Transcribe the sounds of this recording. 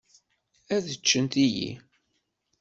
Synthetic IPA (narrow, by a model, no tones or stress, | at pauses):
æðət͡ʃːənt̪ijḭ